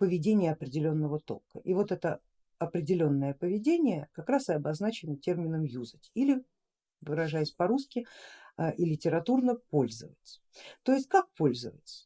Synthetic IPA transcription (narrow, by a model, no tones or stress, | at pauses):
pəvʲɪdʲenʲɪjəɐpɾʲɪdʲɪlʲo̞nːəvət̪o̞̰lˠkə̰ʔivo̞t̪ɛt̪ə | ɐpɾʲɪdʲɪlʲo̞nːəjəpəvʲɪdʲenʲɪjəkɐkɾasɨɐbɐznat͡ɕɪnətʲermʲɪnəmjuzɨtʲilʲɪ | vɨɾɐʐajɪsʲpɐɾuskʲɪ | ʔilʲɪtʲɪɾɐt̪urnəpo̞lʲzə̰və̰tʲ | t̪o̞jɪsʲt̚ʲkak̚po̞lʲzəvə̰tʲ